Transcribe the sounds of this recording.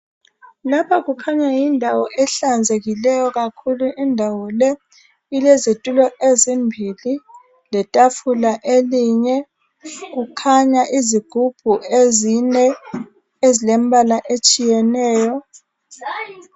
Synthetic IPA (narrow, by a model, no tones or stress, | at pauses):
lapʰaɣukʰaɲajindʱawɔʔɛɬand͡zʱeɣilɛjɔɣakʰuluʔindʱawɔlɛ | ilezitʼulɔʔezimbʱili | lɛtʼafulaʔeliɲɛ | ɣ̬ukʰaɲaʔiziɡ̥ʱub̥ʱuezinɛ | ezilembʱalaʔet͡ʃʼijɛnɛːjɔ